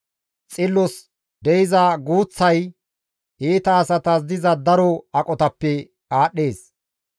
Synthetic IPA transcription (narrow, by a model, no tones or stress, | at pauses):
t͡sʼɪlːɔs | d̪ɛjɪzɐɡuːt͡sːɐj | ʔiːt̪ɐːsɐt̪ɐzd̪ɪzɐd̪ɐɾɔɐkʼɔt̪ɐpːɛ | aːɗːe̞ːs